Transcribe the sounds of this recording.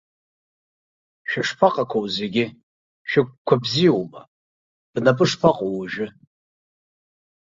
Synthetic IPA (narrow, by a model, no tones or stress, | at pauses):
ʃᶣaʂpʰaqʼakʷʰowzeɡʲɪ | ʃʰᶣɪk̚ʷkːʷʰabzijowma̰ | b̥napʼɨʂpʰaqʼowʒᶣɪ